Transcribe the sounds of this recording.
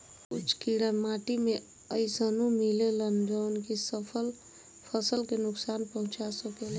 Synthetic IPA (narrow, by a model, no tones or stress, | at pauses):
kut͡ʃʰkiɽənmaʈime | əɪsənumilelənd͡ʒənkisəpʰəl | pʰəsəlkenʊksaːnpəɦʊ̃t͡ʃasəkele